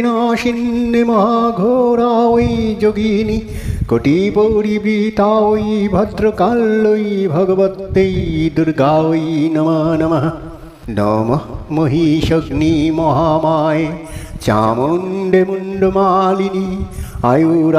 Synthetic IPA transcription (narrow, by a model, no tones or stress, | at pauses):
naːʃinːemɐɦaːɡʱoːɾaːʋɐid͡ʒoɡini | koʈipoːɽibɾiːt̪aːʋoibʱɐd̪ɾokalːoibʱɐɡɐʋɐt̪ːejd̪uɾɡaːʋɐinɐmɐnɐmɐɦɐ | nɐ̰mɐmoɦiʃɐɡnimɐɦaːmaːje | t͡ʃa̰ːmoːnɖʱemuɳɖomaːliniɐ̰juɾ